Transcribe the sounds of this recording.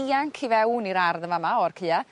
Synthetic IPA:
iaŋkʰivɛwniɾarðəmamaɔrkʰɨːa

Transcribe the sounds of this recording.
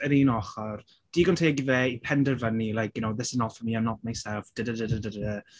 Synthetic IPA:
əɾiːnɔχɔr | d̥iːɡɔntʰeɡivɛːipʰɛndərvənilˠajk̚jʊnowðɪsənɔfəmiːamnɔt̚majsɛlˠfd̥ədədədədədə

